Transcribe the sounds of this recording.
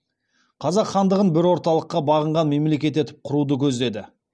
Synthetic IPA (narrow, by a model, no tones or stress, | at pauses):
qʰɑzɑqχɑnd̪əʁənbɪɾwo̞ɾt̪ɑlˠəqːɑbɑʁəɴʁɑnme̞mle̞kʲe̞t̪e̞t̪ɪ̥p̚qʰʊɾud̪əkʲʰɵzd̪e̞d̪ɪ